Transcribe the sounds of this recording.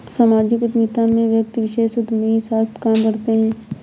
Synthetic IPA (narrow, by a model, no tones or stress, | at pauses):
saːmaːd͡ʒɪkʊd̪mit̪ãmẽʋjək̚t̪ʋɪʃeːʃʊd̪misaːt̪ʰkaːmkɐɾt̪eɦɛ̃ː